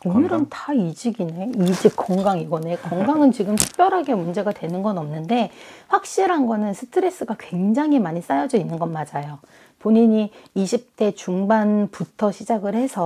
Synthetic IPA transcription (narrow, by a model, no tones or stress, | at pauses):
onɯɾʌntaid͡ʑiɡineid͡ʑik̚k͈oŋɡaŋiɡʌnekoŋɡaŋɯnt͡ɕiɡɯmtʰu̥k̚p͈jʌɾɦaɡe̞mund͡ʑe̞ɡadwe̞nɯnɡʌnʌmnɯnde̞ɸwak̚ɕ͈iɾɦanɡʌnɯnsʰɯ̥tʰɯɾe̞s͈ɯɡakwe̞ŋd͡ʑaŋɦimaɲis͈ajʌd͡ʑʌinːɯnɡʌnmad͡ʑajo | poɲiɲiiɕʰip̚t͈e̞t͡ɕuŋbanputʰʌɕʰid͡ʑaɡɯɭhe̞sʰʌ